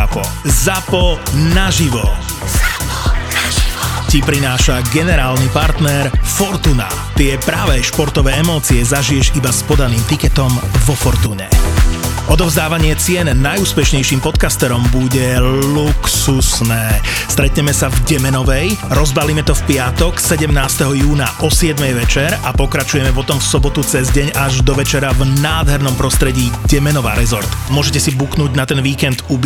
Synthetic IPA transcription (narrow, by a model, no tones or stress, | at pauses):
pɔ | zapɔnaʒiʋɔ | cipɾinaːʃaɡɛnɛɾaːlnipaɾt̪nɛɾfɔɾt̪una̰ | t̪ɪɛpɾaːʋɛʃpɔɾt̪ɔʋɛːɛmɔːt͡siɛzaʒijɛʃibaspɔd̪aniːmt̪ikɛt̪ɔmʋɔfɔɾt̪uːɲɛ̰ | ʔɔd̪ɔvzd̪aːʋaɲɪɛt͡sɪɛnːajuːspɛʃɲɛjʃiːmpɔt̪kast̪ɛɾɔmbuɟɛluksusnɛː | st̪ɾɛt̪ɲɛmɛsavɟɛmɛnɔʋɛjɾɔzbalimɛt̪ɔfpɪat̪ɔksɛɟɛmnaːst̪ɛɦɔjuːnaʔɔsɪɛd̪mɛjʋɛt͡ʃɛɾapɔkɾat͡ʃujɛmɛpɔt̪ɔmfsɔbɔt̪ut͡sɛzɟɛɲaʒd̪ɔʋɛt͡ʃɛɾavnaːd̪ɦɛɾnɔmpɾɔst̪ɾɛɟiːɟɛmɛnɔʋa̰ːɾɛzɔɾt̪mʊɔʒɛc̬ɛsibuknuːɟnat̪ɛnʋiːkɛnd̪ubi